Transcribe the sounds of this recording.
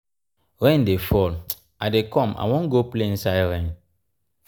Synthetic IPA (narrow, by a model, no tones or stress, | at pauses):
ɾɛ̃ndefɔl | ʔadekɔ̃ma̰wɔ̃nɡopleĩnsaɪɾɛ̃n